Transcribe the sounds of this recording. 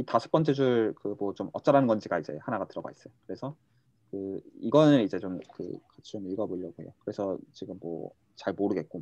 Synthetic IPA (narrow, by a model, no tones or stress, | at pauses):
itaɕʰi̥p͈̚ʌnt͡ɕ͈ʰed͡ʑuɭkɯmwʌt͡ɕomʌt͡ɕ͈aɾanɯnŋɡʌnd͡ʑiɡaid͡ʑe̞̰hanaɡatɯɾʌɡa̰is͈ʌjokɯɾe̞sʰʌ | kɯiɡʌnɯɾid͡ʑe̞t͡ɕomkɯ̰kat͡ɕʰi̥d͡ʑomiɭɡʌboʎːʌɡohe̞̰jokɯɾe̞sʰʌt͡ɕiɡɯmːwʌ̰ | t͡ɕaɭmoɾɯɡe̞t̚k͈o